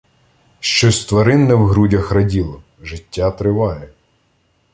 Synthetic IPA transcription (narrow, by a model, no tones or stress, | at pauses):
ʃt͡ʃɔsʲt̪ʋɐɾɪnːɛwɦɾudʲɐxɾɐdʲilˠɔ | ʒɪtʲːat̪ɾɪʋɑjɛ